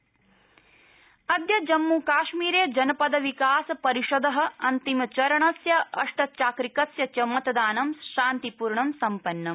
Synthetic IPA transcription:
ɐd̪jɐd͡ʒɐmːuːkaːʃmiːɾeːd͡ʒɐnɐpɐd̪ɐʋikaːsɐpɐɾiʂod̪ɐɦɐ̆ɐnt̪imɐt͡ʃɐɾɐɳɐsjɐʔɐʂʈɐt͡ʃaːkɾikɐsjɐt͡ʃɐmɐt̪ɐd̪aːnɐmʃaːnt̪ipuːɾɳɐmsɐmpɐnːɐm

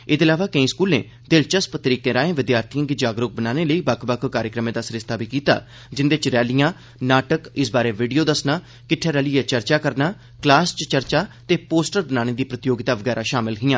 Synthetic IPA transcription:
ɪd̪ɪlaːʋaːkə̃ĩːskuːlḛ̃ː | d̪ɪlt͡ʃəspət̪ɾiːkẽːɾaːẽːʋɪd̪jaːɾt̪ʰijãɡid͡ʒaːɡɾʊk̚bənaːneːləiːbəkʰbəkʰkaːɾjəkɾəmẽːd̪aːsɾɪst̪ʰaːbʱiːkiːt̪a̰ː | d͡ʒɪnd̪eːt͡ʃɾɛːlɪjãː | naːʈəkɪsbaːɾeːʋiːɖijoːd̪əsnaː | kɪʈʰːeːɾɛːlɪːɛːt͡ʃəɾt͡ʃaːkəɾnaː | klaːst͡ʃt͡ʃəɾt͡ʃaːt̪eːpoːsʈəɾbənaːñeːd̪iːpɾət̪ɪjoːɡɪt̪aːʋəɡɛːɾʔaːʃaːmɪlɦiːãː

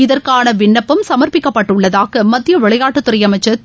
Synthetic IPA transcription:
ɪðɐrkaːnɐʋɪɳːɐpːɯmsɐmɐɾpɪkːɐpːɐʈːʊɭːɐðaːɣɐmɐt̪ːɪjɐʋɛɭɐjaːʈːɯt̪ːʊɾɐjɐmɐɪt͡ʃːɐ

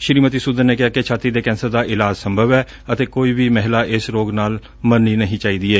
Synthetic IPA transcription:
ʃɾiːmət̪iːsud̪əɾneːkɪaːket͡ʃʰaːt̪iːd̪eːkɛ̃ːnsəɾd̪aːʔɪlaːd͡ʒsəmbʱəʋɛː | ət̪eːkoːiːbiːmɛɦlaːʔɪsɾoːɡnaːl | mənːiːnəɦĩːt͡ʃaːiːd̪iːɛː

